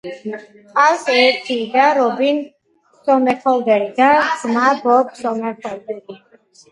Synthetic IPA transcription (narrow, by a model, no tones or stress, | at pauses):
qalsɛɾt̪ʰiːd̪aɾɔbin | sɔmɛχʰɔld̪ɛɾid̪azmabɔbsɔmɛχɔld̪ɛɡi